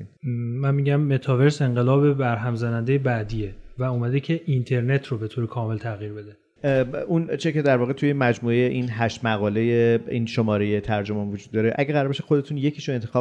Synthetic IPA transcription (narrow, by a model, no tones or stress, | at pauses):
ænmiɟæmːe̞t̪ʰɒve̞ɾse̞ɴɢelɒːbebæɾɦæmzænænd̪e̞jebæd̪ievæumæd̪ecʰe̞ʔint̪ʰe̞ɾne̞t̪ʰɾobe̞t̪ʰoːɾekʰɒːme̞lt̪ʰæɣiːɾbed̪e | unt͡ʃʰece̞d̪æɾvɒːɣet̪ʰuje̞mæd͡ʒmuːejeʔinɦæʃt̪mæɣɒːle̞je̞ḭnʃo̞mɒːɾeje̞t̪ʰæɾd͡ʒomæmvod͡ʒuːd̪ːɒːɾeʔæɟeɣæɾɒɾbeʃe̥xod̪e̞t̪ʰuːnje̞cʰiːʃoent̪ʰe̞xɒ